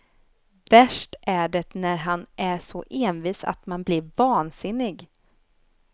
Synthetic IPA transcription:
væʂʈæɖɛnæɾɦanʔæʂɔʔeːnviːsa̰t̪manblɪɾvɑːnsɪnːɪɡ

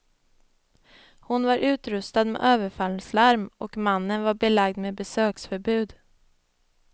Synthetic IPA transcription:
hʊnvaɾʔʉ̟ːt̪ɾɵst̪ad̪mḛʔøːvəɾfalslaɾmʔɔkmanːənvaɾbɛlaɡd̪meːbɛsøːksfœɾbʉ̟ːd̪

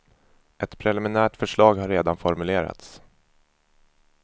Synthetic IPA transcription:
ʔɛt̪pʰɾɛlɪmɪnæːʈfœʂɭɑːɡhaɾːeːd̪anfɔɾmɵleːɾa̰t̪s

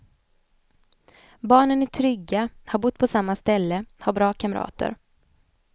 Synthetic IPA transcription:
bɑːɳənɪt̪ʰɾʏɡːahaɾbʊt̪̚ːpʰɔsamːast̪ɛlːəhaɾbɾɑːkʰamɾɑ̰ːt̪ə̰ɾ

